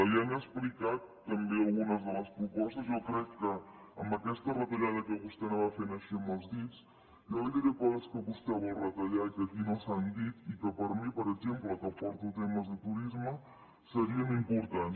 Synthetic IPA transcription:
əjanəksplikat̪ːəmbeəlˠɣunəzðələspɾupɔst̪əzjɔkɾɛkːəː | mbəkɛst̪ərət̪əʎaðəkəβust̪ɛnoβafenəʃiəməlˠzðis | joβaʎd̪iɾəpɔðəskəβust̪ɛβəlˠrət̪əʎakəkinosand̪it̪ikəpəɾmipəɾəɡʒempləkəpɔɾt̪ut̪ɛməzðət̪uɾizmə | səɾiənimpuɾt̪ans

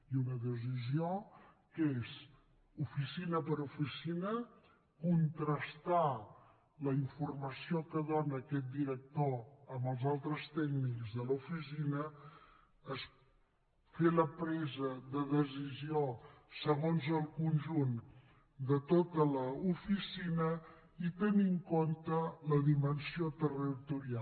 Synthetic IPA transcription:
iunəðəs̬iziokes | ufisinəpəɾufisinə | kunt̪ɾəst̪a | ləiɱfurməsiokəðonəːkɛt̪̚d̪iɾək̚t̪oəmbəlˠzalˠt̪ɾəst̪ɛɡnikzðəlufisinəː | s | feləpɾɛzəðəðəziziosəɣonzəlˠkunʲʒun | d̪ət̪ot̪ələufisinə | it̪əniŋkont̪ələðimənsiot̪ərit̪uɾia

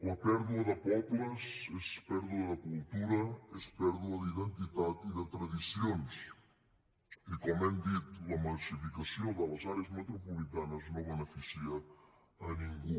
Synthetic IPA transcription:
lɐpɛɾðuɐðəpɔplɐsespɛɾðuɐðɐkulˠt̪uɾɐespɛɾðuɐðiðent̪it̪at̪iðət̪ɾaðisjons | ikomɛnd̪it̪lɐmalsifikasjod̪əlɐzaɾeazmət̪ɾopulit̪anɐznoβənefisiɐː | nĩŋɡu

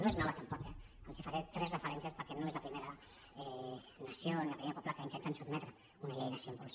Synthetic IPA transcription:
noeznɔβat̪ampɔkɛ | konsifaɾet̪ɾɛzrəfəɾɛnsiaspəɾkenoezlapɾimeɾa | ɛ | nasjonilapɾimeɾapɔplakaint̪ent̪ansud̪mɛt̪ɾə | unaʎejnasiompols

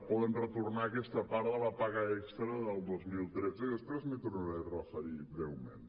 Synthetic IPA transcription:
pɔðənrət̪urnaːkɛst̪əpaɾðəlapaɣəɛkst̪ɾəðəlˠd̪ozmilˠt̪ɾɛd͡zəiðəspɾɛzmet̪urnəɾerəfəɾibɾɛwmḛn

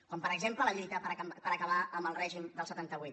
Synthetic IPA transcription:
kɔmpəɾəɡzemplələʎiiit̪əpəɾpəɾəkəβ̞aəmbəlˠrɛʒimd̪əlˠsət̪ant̪əβuit̪

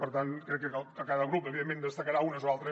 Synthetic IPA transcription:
pəɾt̪ankɾɛkːəkəkəkaðəɣɾup̪̚oβiemẽnd̪əst̪əkəɾaunəzoalˠt̪ɾə

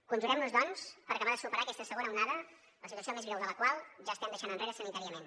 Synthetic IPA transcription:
kunʒuɾɛmnuzdɔnspəɾɐkəβaðəsupəɾaəkɛst̪əsəɣonəunaðə | ləsit̪wəsiomezβɾɛwðələkwalˠʒaəst̪ɛmd̪əʃanənreɾəsənit̪aɾiəmen

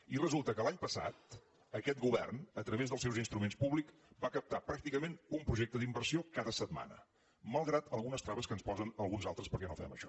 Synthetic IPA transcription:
irəzulˠt̪əkəlaɲpəsa̰t̪̚ | əkɛt̪̚ɡuβɛ̰rnət̪ɾəβezðəlˠsɛwzinst̪ɾumenspuβlik | bakəp̚t̪apɾak̚t̪ikəmenumpɾuʒek̚t̪əðimbərsiokaðəsət̪ma̰nə̰ | məlˠɣɾat̪əlˠɣunəst̪ɾaβəskənspɔzənəlˠɣunzalˠt̪ɾəspəɾkɛnofɛ̰mə̰ʃɔ

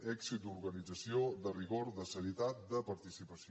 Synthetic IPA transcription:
ɛksit̪̚d̪uɾɣənid͡zəsiodəriɣoɾðəsəɾiət̪at̪̚d̪əpəɾt̪isipəs

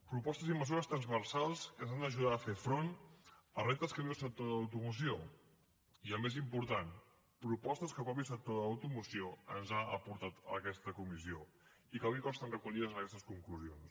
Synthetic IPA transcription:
pɾupɔst̪əziməzuɾəst̪ɾənzβəɾsalˠskənzand̪əʒuðaəfefɾonərent̪əskəβiəlˠsək̚t̪oðəwt̪umus̬io | iəlˠmezimpuɾt̪an | pɾupɔst̪əskəpɾɔpisək̚t̪oðəwt̪umusioənzaəpuɾt̪at̪ə̰kɛst̪əkumisio | ikəβikɔst̪ənrəkuʎiðəzənəkɛst̪əskuŋkluzions

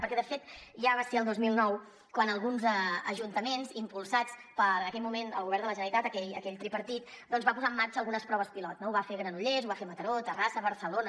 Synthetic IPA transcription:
pəɾkɛðəfet̪ʒaβaseəlˠd̪ozmilˠnɔw | kwanəlˠɣunzɛəʒunt̪əmenzimpulˠsat͡spəɾənəkɛʎmumenə̰lˠɣuβɛɾnd̪ələʒənəɾit̪at̪əkɛʎəkɛʎt̪ɾipəɾt̪it̪ | d̪ɔnzβapuzaəmːaɾt͡ʃəlɣunəspɾɔβəspilɔtnouβafeɣɾənuʎezuβafemət̪əɾot̪ərasəβəɾsəlonə

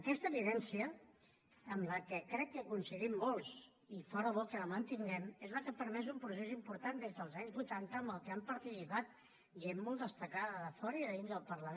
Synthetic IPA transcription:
əkɛst̪əβiðɛnsiəː | mləkəkɾɛkːəkunsəɣimːolˠs | ifɔɾəβɔkələmənt̪iŋɡɛmezləkəpəɾmɛzumpɾus̬ezimpuɾt̪and̪ezðəlˠzaɲzβujt̪ant̪əːmbəlˠkəampəɾt̪isipat̪̚ | ʒemːɔlˠd̪əst̪əkaðəðəfɔɾəiðəðinzðəlˠpəɾləme

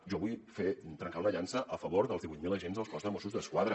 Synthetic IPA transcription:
ʒɔβujfet̪ɾəŋkawnəʎansəʔəfəβoɾðəlˠzðiβujt̪̚miləʒenzðəlˠskɔzðəmosuzðəskwaðɾə

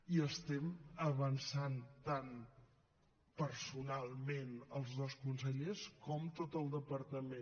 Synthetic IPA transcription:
iəst̪ɛməβənsant̪an | pəɾsunalˠmenəlˠzðoskuns̬əʎeskɔmt̪ot̪əlˠd̪əpəɾt̪əmẽ

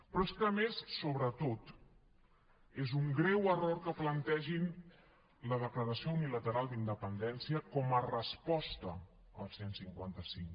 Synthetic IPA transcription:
pɾɔeskəːmessoβɾət̪ot̪ | ezuŋɡɾɛwəroɾkəplənt̪ɛʒin | ləð̞əkləɾəsiounilət̪əɾalˠd̪ind̪əpənd̪ɛnsiəkɔmərəspɔst̪ə | əlˠsensiŋkwa̰nt̪əsiŋ

